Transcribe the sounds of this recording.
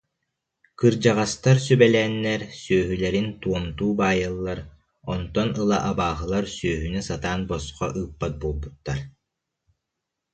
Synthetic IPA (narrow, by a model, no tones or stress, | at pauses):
kɯɾd͡ʑaʁast̪aɾsybɛlɛːnːɛɾsyːɦylɛɾint̪uɔmt̪uːbaːjɯlˠːaɾ | ɔnt̪ɔnɯlˠaʔabaːɦɯlˠaɾsyːɦynysat̪aːnbɔsqɔʔɯːpːat̪̚buːlˠbut̪ːaɾ